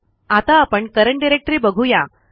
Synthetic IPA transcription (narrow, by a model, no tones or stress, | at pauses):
at̪aːpəɳkəɾəɳɖiɾek̚ʈɾiːbəɡʱuja